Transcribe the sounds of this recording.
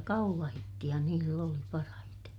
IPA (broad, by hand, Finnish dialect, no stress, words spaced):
kɑulɑhitːij̆ɑ niːlː oli pɑrɑhite